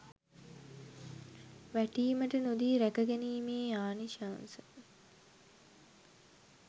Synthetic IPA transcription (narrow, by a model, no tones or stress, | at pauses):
ʋæʈiːməʈənud̪iːɾækəɡæniːmeːaːniʃaːnsə